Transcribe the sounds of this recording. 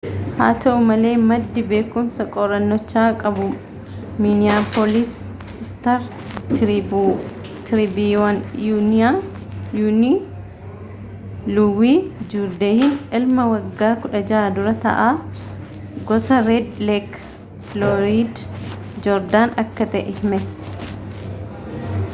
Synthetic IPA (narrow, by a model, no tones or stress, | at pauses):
ha̰ːt̪ʰɐʔʊmɐle̞ːmɐd̪ːɪbe̞ːkʊmsɐkʼɔɾɐnːɔt͡ʃːaːkʼɐbʊ | minɪjaːpɔlis | ɪst̪ɐɾ | t̪ɾibiwɐnjuːnɪa | juːni | lʊwiːd͡ʒuːɾd̪eːhɪnʔɪlmɐwɐɡːaːkʊᶑɐd͡ʒaːd̪ʊɾɐt̪ɐ̰ʔaː | ɡɔsɐɾed̪lek | flɔɾiːd̪ | d͡ʒɔɾd̪aːnɐkːɐt̪ɛ̰ʔɛhmɛ